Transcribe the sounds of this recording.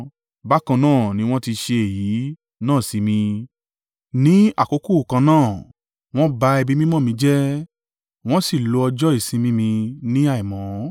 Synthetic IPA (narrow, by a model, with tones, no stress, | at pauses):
ba˦kã˧nãː˦˨nĩ˦w̃ɔ̃˦ti˧ʃe˧e˨ji˨˦ | nãː˦˨si˧˦mĩ˧ | nĩ˨˦a˦˨ko˧˦ku˦˨kã˧nãː˦˨ | w̃ɔ̃˦ba˧ɛ˧bi˦mĩ˦mɔ̃˦mĩ˧d͡ʒɛ˦ | w̃ɔ̃˦si˦˨lo˧ɔ˧d͡ʒɔ˦i˦˨sĩ˧mĩ˧˦mĩ˧nĩ˦a˦˨i˨mɔ̃˨˦